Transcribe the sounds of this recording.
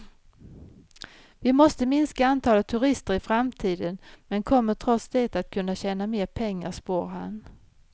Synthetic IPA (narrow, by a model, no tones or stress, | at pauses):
vɪmɔst̪əmɪnskaant̪ʰɑːlət̪ʰːɵɾɪst̪əɾɪfɾamt̪ʰiːd̪ənmɛnkʰɔmːəʈʰɾɔt̪sd̪eːt̪at̪̚kʰɵnːaɕɛːnameːɾpʰɛŋːaʂpoːɾɦa̰n